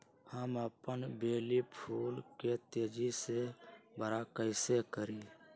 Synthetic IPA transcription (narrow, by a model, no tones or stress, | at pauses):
həməpənbeːlipʰuːlket̪eːd͡ʒisebəɾakəɪsekəɾiː